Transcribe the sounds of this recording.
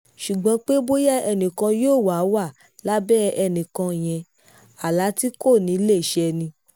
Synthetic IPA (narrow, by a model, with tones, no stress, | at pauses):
ʃu˨ɡ͡bã˨˧k͡pe˦bo˦ja˦ɛ˧nĩ˨kã˧joː˦˨wa˨˦wa˦˨ | la˦bɛ˦ɛ˧nĩ˨kã˧˨j̃ɛ̃˧ | a˨la˨˦ti˦ko˦˨nĩ˨˦le˦˨ʃɛ˧nĩ˧